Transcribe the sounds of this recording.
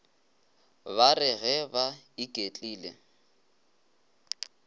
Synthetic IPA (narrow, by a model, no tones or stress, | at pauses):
barɪɣɛbaikʼet͡ɬʼiːlḛ